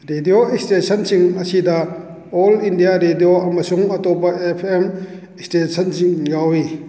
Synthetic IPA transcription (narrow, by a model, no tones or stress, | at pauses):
ɾedioikstesɐnsiŋɐsidɐ | ɔlindijaɾedijoʔɐmɐsuŋɐtɔpːɐepʰem | ikstesʰɐnsiŋjawi